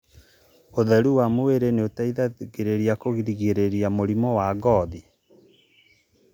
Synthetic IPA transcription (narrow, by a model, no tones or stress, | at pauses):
oðɛɾuwamoweɾeneotaiðaɣeɾeɾiakoɣiɾiɣeɾeɾiamoɾimɔwaɡɔði